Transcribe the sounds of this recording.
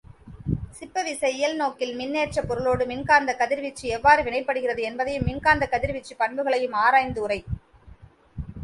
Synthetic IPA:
sɪpːɐʋɪsɐɪɪjɐlnoːkɪlmɪnːeːt͡ʃɐpːɔɾɯɭoːɽɯmɪnkaːnd̪ɐkɐðɪɾʋɪt͡ʃːiɛʋːaːɾɯʋɪɳɐɪpːɐɽɯɣɪrɐðɯɛnbɐðɐjɯmːɪnkaːnd̪ɐkɐðɪɾʋɪt͡ʃːipɐɳbɯɣɐɭɐjɯmaːɾaːjnd̪ɯʊrɐɪ

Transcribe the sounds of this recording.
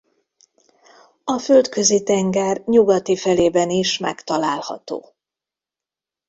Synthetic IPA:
ɒføld̪kø̞zit̪ɛŋɡɛrɲuɡɒt̪ifɛleːbɛniʃmɛ̰kt̪ɒlaːlhɒ̰t̪o̰ː

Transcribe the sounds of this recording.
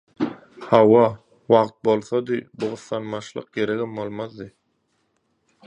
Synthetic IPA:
hɑwɑ | wɑʁt̪̚bo̞lˠθod̪ɯbuʁʊθːɑnmɑʃlˠɯ̰q̚ɡeɾeɡimbolˠmɑðd̪ɯ

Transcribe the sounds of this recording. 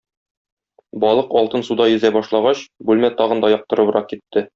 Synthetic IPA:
bɒlˠɤqɒlˠt̪ɤnsud̪ɑjɵ̆zæbɒʃlˠɑʁɑɕbʉlmæt̪ɒʁɤ̆nd̪ɒjɒq̚t̪ɤ̆ɾɤ̆bɤ̆ɾɑq̚kit̪ːɘ

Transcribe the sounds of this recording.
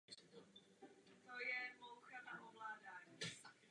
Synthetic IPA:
t̪ojɛmowxanaʔovlaːdaːɲi

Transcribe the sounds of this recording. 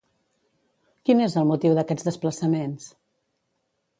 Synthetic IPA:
kinezəlˠmut̪iwðəkɛd͡zðəspləsəmens

